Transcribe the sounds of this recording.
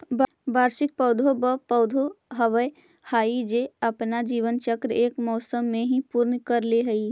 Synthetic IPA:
bbaːɾʃɪk̚pɐːd̪ʱobəpəʊd̪ʱoɦɐʋəj | haːid͡ʒeɐpnad͡ʒiːʋənt͡ʃəkɾeːkmɔːsəmːẽɦĩpuːɾnkəɾleɦəi

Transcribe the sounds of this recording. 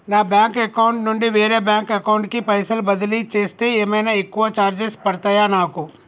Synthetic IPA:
naːbɛ̃ːŋkekaɳʈnʊɳɖiʋeːɾebɛ̃ːŋkɐkaʊɳʈkipɐjsəlbɐd̪lit͡ʃeːst̪eemenaɪkːuʋat͡ʃaːɾd͡ʒɪspɐɾt̪ɐjanaːku

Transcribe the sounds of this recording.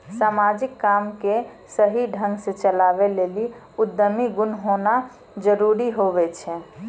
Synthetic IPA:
samad͡ʒikːamke | səɦiɖʱə̃ŋɡsẽt͡ʃəlabeleli | ud̪ːəmiɡunɦona | d͡ʒəɾuɾiɦobɛt͡ʃʰɛ

